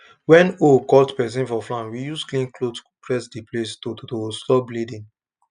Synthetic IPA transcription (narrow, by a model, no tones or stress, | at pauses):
wɛ̃nokɔltpɛs̬ĩnfɔflãnwijusklĩnklodsupɹɛsdiplestototostɔblidĩn